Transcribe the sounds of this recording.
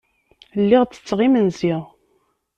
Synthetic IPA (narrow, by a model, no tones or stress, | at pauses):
lːiʁt͡sːə̥t͡sːʁimənziʁ